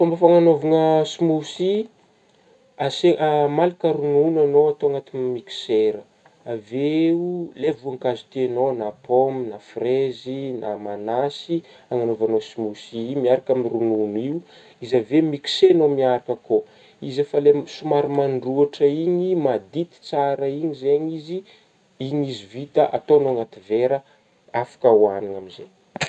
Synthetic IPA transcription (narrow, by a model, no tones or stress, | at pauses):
fambafaŋanovuŋəsimusi | aseʔamalikəɾununanoat̪oaŋat̪imiki̥seɾə | aveulevuaŋkazu̥t̪ienonapominafrezinʔamanasi | aŋanovanosimusiimiaɾakamirununiu | izavemiki̥senomiaɾakəko | izafalesumaɾimanɖ͡ʐuaʈ͡ʂəiɲimad̪it̪i̥t͡saɾəiɲizeɲizi | iɲizivit̪əʔat̪onoŋat̪iveɾə | afḁkawaninaminzḛ